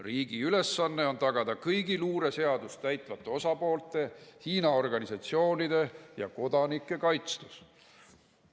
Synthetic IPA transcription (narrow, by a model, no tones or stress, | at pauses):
riːɡ̥iyle̞sːɑnːe̞o̞nt̪ɑɡ̥ɑd̪̥ɑkɤjɡiluːɾe̞se̞ɑd̪usæjt̪ˑvɑt̪ːˑe̞o̞sɑpo̞ːlt̪ˑe̞hiːnɑo̞rɡ̥ɑnisɑt̪sio̞ːnid̪̥e̞jɑ̰ko̞d̪̥ɑnikːˑe̞kɑjt̪st̪us